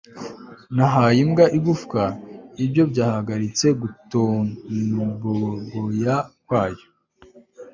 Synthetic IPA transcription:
naɦajimɡaʔiɡufkaibjo̞bɟaːhaɡaɾit͡se̞ɡuto | boɡojakwaːjo

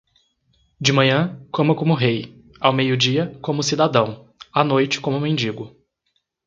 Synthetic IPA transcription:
d͡ʒɪmɐ̃ɲɐ̃kõmɐkõmʊɦej | awmejʊd͡ʒiɐkõmʊsid̪ad̪ɐ̃w̃ | anojt͡ʃɪ̥kõmʊmẽnd͡ʒiɡʊ

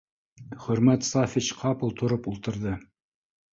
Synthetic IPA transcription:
χɵ̆ɾmæt̪sɑfʲit͡ʃqʰɑpɤ̆lˠt̪ʰŏɾɤpulˠt̪ɤ̆ɾðɤ

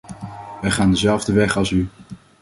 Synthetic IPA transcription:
ʋɛjχaːndəzɛlˠvdəʋɛχɑlˠsy

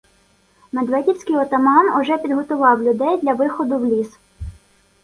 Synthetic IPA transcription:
med̪ʋɛdʲiwsʲkɪjɔt̪ɔmɑnɔʒɛpʲid̪ɦɔt̪ʊʋɑwlʲʊd̪ɛjd̪lʲɐʋɪxɔd̪ʊwlʲis

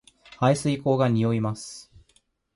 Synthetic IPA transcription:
haisɨiko̞ːɡaɲ̟ijo̞imasɨ̥

